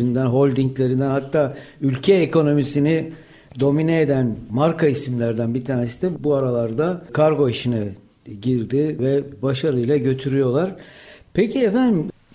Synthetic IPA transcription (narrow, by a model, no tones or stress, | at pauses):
ind̪ænɦo̞lʲd̪iɲclʲe̞ɾind̪ænɦat̪ʰːaːylʲcʰɛːko̞no̞misini | d̪o̞mineed̪ænmaɾkʰaisimlʲæɾd̪ænbit̪ʰaːnesi̥nɛbuaɾalˠaɾd̪akʰaɾɡo̞iʃinɛ | ɟiɾd̪ɪvɛbaʃaɾɯjlˠaɟø̞t̪ʰyɾyjo̞lˠaɾ̥pecʰiɛfænd̪im